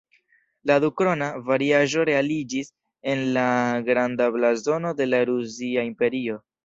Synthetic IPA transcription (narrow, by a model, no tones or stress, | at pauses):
ladukɾo̞navaɾiaʒo̞ɾe̞alid͡ʒis | e̞nlaɡɾandablazo̞no̞de̞laɾuziaimpe̞ɾio̞